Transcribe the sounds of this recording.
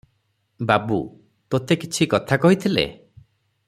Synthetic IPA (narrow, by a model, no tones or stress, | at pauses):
babu | t̪ot̪ekit͡ʃʰikɔt̪ʰakɔɦit̪ʰilḛ